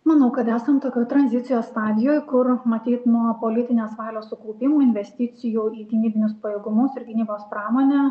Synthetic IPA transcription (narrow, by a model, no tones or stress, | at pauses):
mɐnɐʊkɐt̪æːsɐnt̪okʲot̪ɾɐnʲzʲɪt̪sʲɪjoːsst̪ɑːd̪ʲɪjoːjkʊɾmɐt̪ʲiːt̪nuɔpoːlʲɪt̪ʲɪnʲeːsʋɑːlʲoːssʊkɔʊpʲɪmuːɪnʲʋʲɛsʲt̪ʲɪt̪sʲɪjuiːɡʲɪnʲiːbʲɪnʲʊspɐjeːɡʊmʊsɪɾɡʲɪnʲiːboːspɾɑːmoːnʲɛː